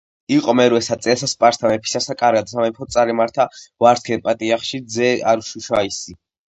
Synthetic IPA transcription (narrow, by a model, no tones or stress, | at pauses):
iqʼɔmɛɾwɛsat̪sʼɛsaspʼaɾst̪ʰamɛpʰi̥sasakʼaɾɡad̪samɛpʰɔt̪sʼaɾɛmaɾt̪ʰavaɾt̪kʰɛnpʼat̪ʼiaχʃid̪zɛaɾuʃuʃaisi